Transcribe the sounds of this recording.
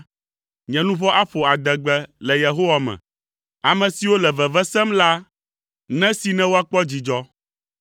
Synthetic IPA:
ɲɛ̃˨nũ˦vɔ˦ʔa˦ɸo˨a˨d̪ɛ˨ɡ͡bɛ˦lɛ˨je˨ɦo˦wa˨mɛ̰̃˨ | a˨mɛ̃˨si˨wo˦lɛ˨vɛ˨vɛ˦sɛ˦mla˦ | nɛ̃˦si˨nɛ̃˦wo˦a˦k͡pɔ˦d͡ʑi˨d͡ʒɔ˦

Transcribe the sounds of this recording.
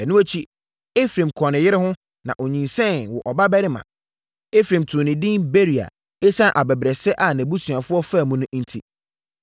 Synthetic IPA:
ɛ˨nʊ̃˦æ˦t͡ɕʰi˦ | e˦fɾẽ˨mkʰɔ̃˨nɪ̃˨jɪ˦ɾɪ˦hʊ̃˦ | nã̰˨ʔo˨ɲĩ˨nsɛ̃˦˨nwɔ˨ʔɔ˨ba˦bɛ˦ɾɪ˦mã̰˨ | e˦fɾẽ˨mtʰʊ̃˨nɪ̃˨dɪ̃˦nbe˦ɾi˨a̰˨ | e˦sã˦ʔa˨bɛ˨bɾɛ˨sɛ˦ʔa˨nɛ̃˨bu˦sɥã˨fʊ˦ɔ˦fa˦˨mũ˦nʊ̃˦ʔn̩˦tʰi˨

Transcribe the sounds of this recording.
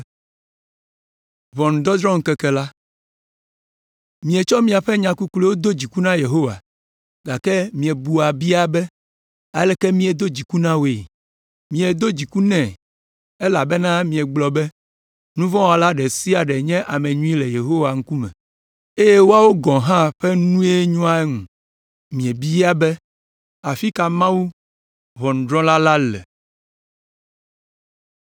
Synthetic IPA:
vɔ̃˨ñ˨d̪ɔ˦d̪ɾɔ̃˦ŋ˨kɛ˦kɛ˦la˦ | mĩ˨ɛ˨t͡ʃɔ˦mĩ˦a˨ɸɛ˦ɲã˨ku˦kle˦wo˦d̪o˦d͡ʑi˨ku˦nã˦je˨ɦo˦wa̰˨ | ɡa˨kɛ˦mĩ˨ɛ˨bu˨a˨bi˦a˦bɛ˦ | a˨lɛ˦kɛ˦mĩ˦ɛ˨d̪o˦d͡ʑi˨ku˦nã˦we˨ | mĩ˨ɛ˨d̪o˦d͡ʑi˨ku˦nɛ̃˨ | e˦la̰˨bɛ˦nã˦mĩ˨ɛ˨ɡ͡blɔ˨bɛ˦ | nũ˦vɔ̃˦wa˨la˦ɖɛ˨si˦a˨ɖɛ˨ɲɛ̃˦ʔa˨mẽ˨ɲũ˦i˦le˨je˨ɦo˦wa˨ŋ̩˦ku˦mɛ̰̃˨ | e˦je˦wo˦a˦wo˦ɡɔ̃˨ɦã˦ɸɛ˦nũ˦e˦ɲɔ̃˦a˦ɛ˦ŋũ˨ | mĩ˨ɛ˨bi˦a˦bɛ˦ | a˨fi˦ka˨mã˦wu˦ | ɦɔ˨ŋ̩˨d̪ɾɔ̃˦la˦la˦lɛ̰˨

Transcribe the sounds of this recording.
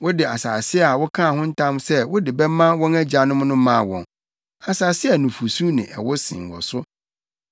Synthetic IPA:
wʊ˦dɪ˨a˨saː˨sɪ˦˨a˨wʊ˦kʰã˦a˨hʊ̃˦n̩˦tʰã˦msɛ˦wʊ˦dɪ˨bɛ˦mã˦wɔ̃˦næ˦d͡ʑa˨nʊ̃˦m˦nʊ̃˦mã˦˨wɔ̰̃˨n | a˨saː˨sɪ˦ɛ˨nʊ̃˨fu˨su˦nɪ̰̃˨ʔɛ̰˨wʊ˦sɪ̰̃˨ŋ˨wɔ̰˨sʊ˦

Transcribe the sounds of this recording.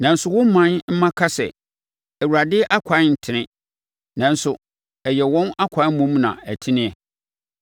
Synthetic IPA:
nã˨n̩˦sʊ˨wʊ̃˦m˦mã˦nm̩˦mã˦kʰa˦sɛ̰˨ | ɛ˨wu˨ɾa˨dɪ˦ʔa˦kʰʷa˨˦n̩˨tʰɪ˨nɪ̃˦ | nã˨n˦sʊ˨ | ɛ˨jɛ˨wɔ̃˦na˦kʷʰa˨˦mũ˦m˦nã̰˨æ˨tʰɪ˦nɪ̃˦ɛ˨

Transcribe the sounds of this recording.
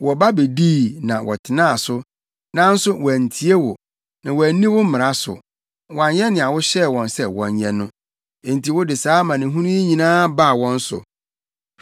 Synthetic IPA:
wɔ˨ba˦be˨diː˦˨nã˨wɔ̰˨tʰɪ˨nãː˦a˨sʊ˦ | nã˦n̩˦sʊ˦wɔ˨æ˨n˨tʰi˨˦e˦wʊ˨ | nã˨wɔ˨æ˨nĩ˦wʊ˦m̩˦mɪ̃˨ɾa˦sʊ̰˨ | wɔ˨a˨ɲɛ̃˦nɪ̃˨a˨wʊ˦ɕɛ˦˨wɔ̃˨nsɛ˦˨wɔ̰̃˨ɲ˦ɲɛ̃˦nʊ̃˦ | e˨n̩˨tʰi˨wʊ˦dɪ˨saː˨˦mã˨nɪ̃˨ɦũ˦nũ˦e˦ɲĩ˨nãː˦ba˦˨wɔ̃˦n̩˦sʊ̰˨

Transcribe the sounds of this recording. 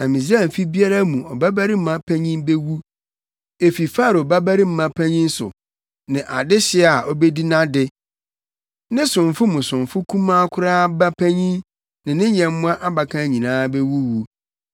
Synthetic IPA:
æ˨mĩ˨zi˦a˦˨m̩˨fi˦bi˦a˦ɾa˦mũ˨ɔ˨ba˦bæ˦ɾi˦m̩˦mã˦pʰæ̃˦ɲĩ˦mbe˦wu˦ | e˨fi˨fa˦˨ɾba˦bæ˦ɾi˦m̩˦mã˦pʰæ̃˦ɲĩ˦n̩˦sʊ̰˨ | nɪ̃˨ʔa˨dɪ˦ɕɪ˨˦˨a˨ɔ˦be˦di˦nã˦dɪ˦ | nɪ̃˦sʊ̃˨ɱ˨fʊ˦mũ˨sʊ̃˨ɱfʊ˦kʰũ˦mã˦kʰʊ˦ɾaː˦ba˦pʰæ˦ɲĩ˦n | nɪ̃˨nɪ̃˦ɲɛ̃˨m˦mʊ̃˦a˦ʔa˦ba˨kʰã˦ɲĩ˨nãː˦be˦wu˦wu˨

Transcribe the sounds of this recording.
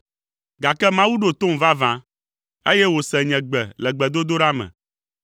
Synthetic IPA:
ɡa˨kɛ˦mã˦wu˦ɖo˨t̪o˦m̩˨va˦vã˨ | e˦jɛ˦wo˨sɛ˨ɲɛ̃˨ɡ͡bɛ˨lɛ˨ɡ͡bɛ˨d̪o˦d̪o˦ɖa˦mɛ̰̃˨

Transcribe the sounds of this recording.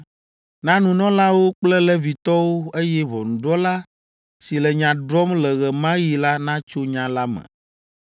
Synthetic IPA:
nã˦nũ˨nɔ̃˦la˦wo˦k͡plɛ˦lɛ˦vi˨t̪ɔ˦wo˦e˦jɛ˦βɔ̰˨nũ˨ɖɔ˦la˦ | si˨lɛ˨ɲã˨ɖɾɔ˦mlɛ˨ɣɛ˨mã˦ji˨la˦nã˦t͡ʃo˦ɲã˦la˦mɛ̰̃˨

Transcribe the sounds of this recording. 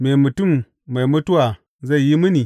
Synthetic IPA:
me˨mu˨tu˦mː | a˨mu˦tu˦wa˨ | za˦i˨ji˦mɨ˦ni˨

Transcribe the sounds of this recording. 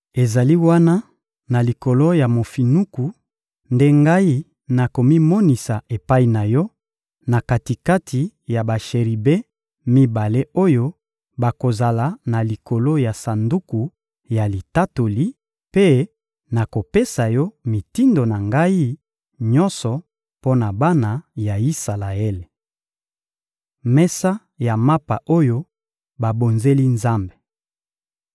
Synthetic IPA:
e˨za˨li˦wa˦na˦ | na˨li˨ko˨lo˦ja˨mo˨fi˨nu˦ku˨ | nde˦ŋɡa˦i˦ | na˨ko˨mi˦mɔ˦ni˨sa˨e˨pa˦i˨na˨jɔ˦ | na˨ka˨ti˨ka˦tʰi˨ja˨ba˨ʃe˨ʁi˨be˦ | mi˦ba˨le˦o˦jo˦ | ba˨ko˨za˨la˨˦na˨li˨ko˨lo˦ja˨sa˨ndu˦ku˨ | ja˨li˨ta˦to˨li˦ | pe˦ | na˨ko˨pe˦sa˨jɔ˦mi˨ti˦ndo˨na˨ŋɡa˦i˦ | ɲɔ˦nsɔ˨ | po˦na˨ba˦na˨ja˨i˦sa˨la˨e˦le˨ | mɛ˦sa˦ | ja˨ma˦pa˨ʔo˦jo˦ | ba˨bo˨nze˦li˦nza˦mbe˨

